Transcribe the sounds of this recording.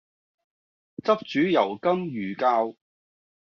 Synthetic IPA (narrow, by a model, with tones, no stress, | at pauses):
t͡sɐ˥p̚t͡ʃyː˨˥jɐ˨˩wkɐ˥mjyː˨˩kaː˧w